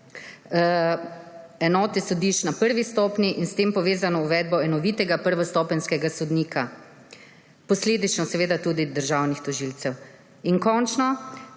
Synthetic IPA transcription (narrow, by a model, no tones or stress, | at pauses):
ɛnɔːt̪isɔd̪iʃt͡ʃnapəɾʋist̪ɔpniʔinst̪eːmpɔʋeːzanɔuʋɛːd̪̚bɔɛnɔʋiːt̪ɛɡapəɾʋɔst̪ɔːpɛnskɛɡasɔd̪niːkʰa | pɔsleːd̪it͡ʃnɔsɛʋeːd̪at̪uːd̪id̪əɾʒawnixt̪ɔʒilt̪sɛw | inkɔnt͡ʃnɔ